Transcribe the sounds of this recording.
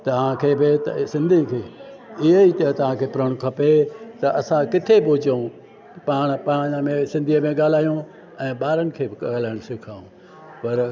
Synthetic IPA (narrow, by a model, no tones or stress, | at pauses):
t̪ɐʋ̤ãkʰeːbɪt̪ɐsɪ̃nd̪ʱĩkʰeː | ɪɦeit̪ɐt̪ɐʋ̤ãkʰeːpʊɾəɽ̃kʰɐpet̪ɐʔɐsãkɪt̪ʰepʊʊd͡ʑeũ | paːɽ̃paːɲəmẽsɪ̃nd̪ʱiəmẽɠaːl̤aːjũ | ɛ̃ːɓaːɾənɪ̆kʰeːbɪkɐaːl̤aːɪɽ̃sɪkʰaːũ | pɐɾ